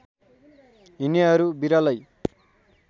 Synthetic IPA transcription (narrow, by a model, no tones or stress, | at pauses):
ɦiniʌɾubiɾalʌj